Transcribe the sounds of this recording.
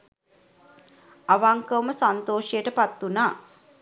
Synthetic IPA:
aʋaŋkəʋməsant̪oːʃəjəʈəpat̪ːunaː

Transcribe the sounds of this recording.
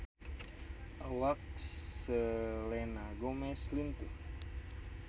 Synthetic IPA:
awak̚əlɛnaɡomɛslint̪u

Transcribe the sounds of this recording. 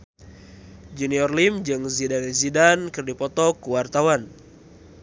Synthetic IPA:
d͡ʒuniɔrlimd͡ʒɨŋzidanizidankɨrdipɔt̪ɔkuwart̪awan

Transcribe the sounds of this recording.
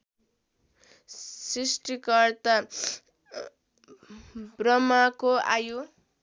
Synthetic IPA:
srisʈikʌɾt̪a | brʌmakoa̰ju

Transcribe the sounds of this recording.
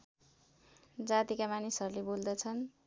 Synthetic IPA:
d͡zat̪ikamanisʌɾulebold̪ʌt͡sʰʌn

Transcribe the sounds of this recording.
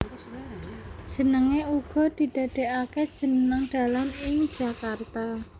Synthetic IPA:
ʒ̥ə̤nəŋeuɡ̥ɔ̤d̪̥i̤d̪̥ä̤d̪̥ɛ̤ʔakɛ̥ʒ̥ə̤nəŋɖ̪̥a̤lanɪŋ̥ʒ̥a̤kart̪a

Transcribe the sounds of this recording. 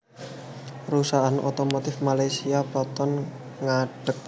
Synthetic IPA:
rusaʔanʔo̰t̪omot̪ɪfmalajsiapɔt̪ɔn | ŋaɖ̥ək̚

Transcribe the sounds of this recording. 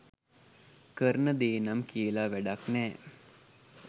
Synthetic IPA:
kəɾənəd̪eːnamkiəlaʋæɖaknɛː

